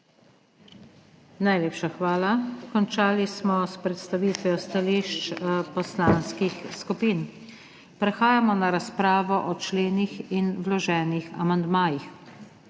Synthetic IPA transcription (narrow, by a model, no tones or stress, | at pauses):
najleːpʃaxʋaːlakɔnt͡ʃaːlismɔspɾɛt̪st̪aʋiːt̪ʋiɔst̪aliʃt͡ʃpɔslanskixskupiːn | pɾɛxaːjamɔnaɾaspɾaːʋɔʔɔt͡ʃleːnixinwlɔʒɛːnixa̰mand̪maːjix